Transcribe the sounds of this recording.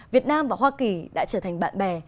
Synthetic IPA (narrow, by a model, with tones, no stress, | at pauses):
vi˨˩ət̚naː˧mvaː˨˩ɦwaː˧ki˨˩ɗa̰ː˧˥t͡ɕəː˧˩t̪ʰa˨˩ŋ̟ɓa̰ː˧˨nɓɛ˨˩